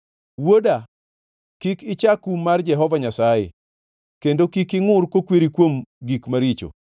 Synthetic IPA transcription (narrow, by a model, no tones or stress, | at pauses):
woda | kikɪt͡ʃakumard͡ʒɛɦɔvaɲasajḛ | kendokikɪŋʊrkokweɾikwomɡikmaɾit͡ʃo̰